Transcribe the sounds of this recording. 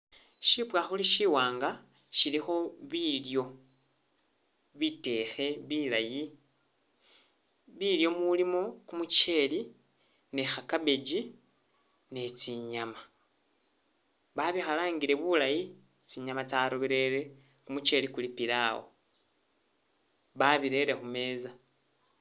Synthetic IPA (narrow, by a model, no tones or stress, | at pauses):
ʃipwaxuliʃiwaːŋɡa | ʃilixo̞βiljo̞ | βite̞xe̞βilaji | βiljo̞mulimo̞kumut͡ʃe̞li | ne̞xakaβe̞ɟi | ne̞t͡siɲama | βaβixalaːŋɡiɾe̞βulaji | t͡siɲamat͡saɾoβiɾe̞ɾe̞ | kumut͡ʃe̞likulipiɾawo̰ | βaβiɾe̞ɾe̞xume̞ːza